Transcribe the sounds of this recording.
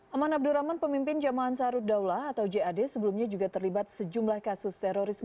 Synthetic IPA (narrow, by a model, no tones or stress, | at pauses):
ʔamanab̚duɾamanpəmimpɪnd͡ʒamaːnsaɾudawlaːt̪awd͡ʒeadɛsəbəlumɲad͡ʒuɡat̪ərlibat̪̚səd͡ʒumlahkasʊst̪ɛɾoɾism